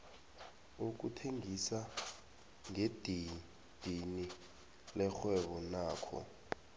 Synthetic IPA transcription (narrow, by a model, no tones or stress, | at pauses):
uk̬utʰeŋisa | ŋed̥ʱi | d̥ʱini | lɛxwɛɓɔnaːkʰɔ̰